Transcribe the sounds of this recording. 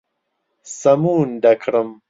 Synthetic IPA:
sɐmuːnɖ̪ɐkʰɾəm

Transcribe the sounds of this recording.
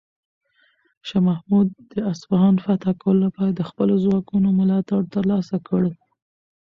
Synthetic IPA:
ʃɑmahmud̪ːəasfaɦɑnfat̪ɑkawəlolapɑɾad̪əxpəlozwɑkunomʊlɑt̪aɽt̪əɾlɑsakəɽ

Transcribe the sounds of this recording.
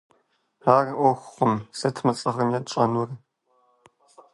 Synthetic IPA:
aːrɨʔʷɔxʷχʷʊmsɐtʰmɐt͡sʼɐʁɐmjat͡ʃʼɐnʊr

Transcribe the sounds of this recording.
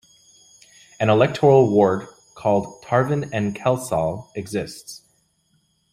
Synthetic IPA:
ɨ̃nəlɛk̚tʰəɹl̩ˠəwɔɹd̚ | kʰɔlˠd̚tʰɑɹvɨ̃nɨ̃nkʰɛlˠsɔlˠɨɡzɪsts

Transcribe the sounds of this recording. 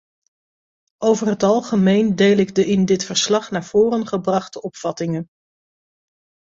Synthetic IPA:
ʔowvərɦətɑlˠχəmejndejlɪɡdəɪndɪtfəɹslɑχnaːɹv̥ʊːrənχəbrɑχtəɔpfɑtɪŋən

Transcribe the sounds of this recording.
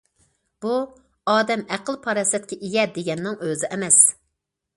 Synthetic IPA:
b̥u | ɑːd̪ɛmæqəlˠpʰɑɾɑsɛt̪̚kʲʰɛʔijʲɛd̪eɡʲɛnːɪŋøzɪʔɛmɛs

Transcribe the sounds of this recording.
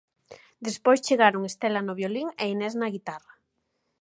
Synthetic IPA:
d̪espojst͡ʃeɣaɾoŋest̪elanoβjoliŋeinɛznaɣit̪ara

